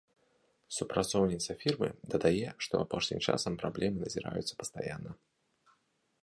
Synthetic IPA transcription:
supɾat̪sɔwnʲit̪sɐfʲirmɨ̰d̪ɐd̪ajɛʂt̪ɔ̰apɔʂnʲḭmt͡ʂa̰sɐmpɾablʲɛmɨnɐzʲiɾa̰jṵt̪sɐ̥pɐ̥st̪aja̰nːɐ

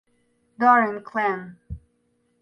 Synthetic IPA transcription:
dɔɹə̃nkʰlɛ̃n

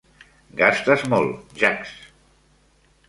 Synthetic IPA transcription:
ɡast̪əzmɔlˠʒaks

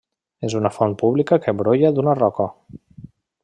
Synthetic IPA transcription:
ezunafɔnpuβlikakəβɾojaðunarɔkə

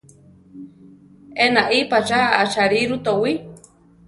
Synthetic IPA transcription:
enaʔipat͡ʃaːt͡ʃaɾiɾut̪owi

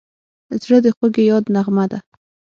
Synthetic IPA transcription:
zɽəd̪əxəɡejɑd̪naɣmad̪a

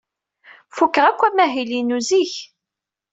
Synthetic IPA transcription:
fukːəʁækʷːæmæɦilinuziç

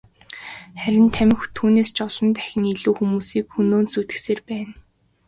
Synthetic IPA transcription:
χæɾʲɪ̆nt̪ʰæmʲɪ̆xt̪ʰuːneːst͡ɕɔɮɞ̆nt̪æxʲɪ̆ŋiɮuːxumuːsiːkxɵnoːnsut̪ɘ̥̆xseːrpæːn

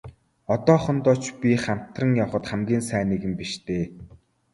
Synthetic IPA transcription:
ɔt̪ɔːχɞ̆nt̪ɔːt͡ɕpʲiχam̥t̪rə̆ŋjawχə̆t̪χæmɡʲiːnsæːniːɣɘ̆mpiʃt̪ʰeː

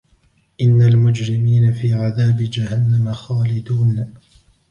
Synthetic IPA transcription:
ʔɪnːalmʊd͡ʒɾɪmiːnafiːʕaðaːbɪd͡ʒahanːamaxaːlɪd̪uːn

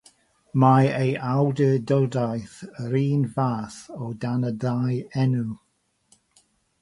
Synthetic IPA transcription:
majejʔawdədɔlˠdajθɾiːnvaːθɔdanədrajɛnu

